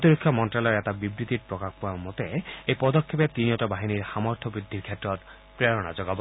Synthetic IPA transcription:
t̪iɾikʰːjɔmɔnʈɾalɔɾet̪abibɾit̪iɾpɾokakpuamot̪eepɔd̪ɔkʰːepet̪iniɔʈabaɦiniɾhamɔɾt̪ʰɔbɾid̪ʱiɾkʰeʈɔɾ | pɾeɾɔɽa̰d͡ʒɔɡab

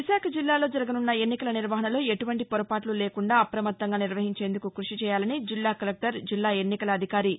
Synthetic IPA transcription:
ʋiʃaːkʰɐd͡ʒilːaːlo̞ːd͡ʒɐɾɐɡɐnunːɐe̞nːikɐlɐniɾʋɐɦɐnɐloːe̞ʈuʋɐɳʈipɔɾɐpaːʈluleːkuɳɖaːɐpɾɐmɐt̪ːɐŋɡaːniɾʋɐɦiɲt͡ʃeːnd̪ukukɾuʂit͡ʃɛːjaːlɐnid͡ʒilːaːkɐlek̚ʈɐɾd͡ʒilːaːe̞nːikɐlɐːd̪ʱikaːɾi

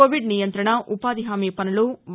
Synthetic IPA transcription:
oːʋiɖnijɐnt̪ɾɐɳɐʔupaːd̪iɦaːmiːpɐnuluʋ

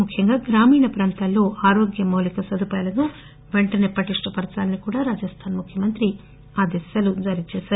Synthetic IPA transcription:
mukʰːjɐŋɡaːɡɾaːmiːɳɐpɾaːnt̪allːo̞ːʔaːɾo̞ːɡjɐmɐwlikɐsɐd̪upajlɐnu | ʋe̞ɳʈɐneːpɐʈiʂʈɐpɐɾt͡ʃaːlɐnikuːɽaːɾaːd͡ʒɐst̪ʰaːnmukʰjɐmɐnt̪ɾi | aːd̪isɐlud͡ʒaːɾit͡ʃɛːsaːɾu

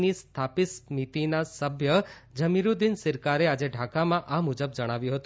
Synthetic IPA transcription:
nist̪ʰapismit̪inasəbʱjəd͡ʒəmiɾud̪insɪɾkaɾead͡ʒeɖʱakamãʔamud͡ʒəb̚d͡ʒəɽ̃aʋjũɦət̪ũ

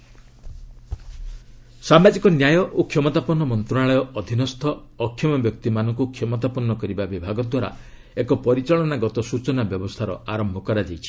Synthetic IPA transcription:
samad͡ʒikɔnjajɔʔokʰjɔmɔt̪apɔnɔmɔnt̪ɾɔaɭɔjɔɔd̪ʱinɔst̪ʰɔːkʰːjɔmɔbjɔk̚t̪imanɔŋkukʰjɔmɔt̪apɔnːɔkɔɾibabibʱaɡɔd̪waɾa̰ | ekɔpɔɾit͡ʃaɭɔnaɡɔt̪ɔsut͡ʃɔnabjɔbɔst̪ʰaɾɔaɾɔmbʱɔkɔɾad͡ʒajt͡ʃʰi̥

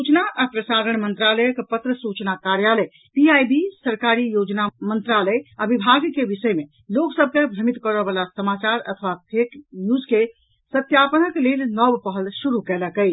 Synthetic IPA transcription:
sut͡ʃnaʔapɾəsaɾəɳmənt̪ɾaləjəkpət̪ɾəsut͡ʃnakaɾjaləj | piajbisəɾkaɾijod͡ʒnamənt̪ɾaləjabibʱaɡkebisəjme | loksəb̚ʱkebʱɾəmit̪kəɾəbalasəmat͡ʃaɾə̰t̪ʰəʋapʰeknjud͡ʒke | sət̪japənəklelnɔbpəɦəlsuɾukɛləkəɪt͡ʃʰ

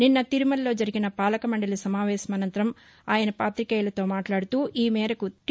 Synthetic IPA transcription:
ninːɐt̪iɾumɐlːo̞ːd͡ʒɐɾiɡinɐpaːlɐkɐmɐɳɖɐlisɐmaːʋɛːsɐmɐnɐnt̪ɐɾɐm | aːjɐnɐpaːt̪ɾikɐːjlɐt̪o̞ːmaːʈlaːɽut̪uːʔiːmɛːɾɐkut̪

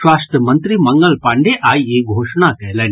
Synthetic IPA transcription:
ʋaːst̪jəmɐnt̪ɾimɐŋɡɐlpaːɳɖeʔaːjeɡʱoːʂɳakɐɦlɐ

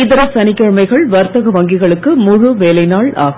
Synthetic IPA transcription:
ɪðɐɾɐsɐnɪkːɐɻmɐɪɣɐɭʋɐɾt̪ɐɣɐʋɐŋɡɪɣɐɭɯkːɯmʊɻuʋeːlɐɪnaːɭa̰ːɣ

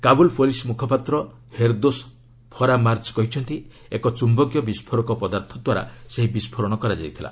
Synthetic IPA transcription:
kabulpʰolismukʰɔpat̪ɾɔ | heɾd̪os | pʰɔɾamaɾt͡ʃkɔɦit͡ʃʰɔnt̪i | ekɔt͡ʃumbɔɡjɔbispʰɔɾɔkɔpɔd̪aɾt̪ʰɔd̪waɾa̰seɦibispʰɔɾɔɽ̃ɔkɔɾad͡ʒajt̪ʰila̰

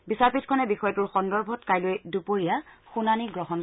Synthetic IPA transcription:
bisaɹpitkʰɔnɛbixɔjɔtʊɹxɔndɔɹbʱɔtkajlojdupoɹijaxunaniɡɹɔɦɔn

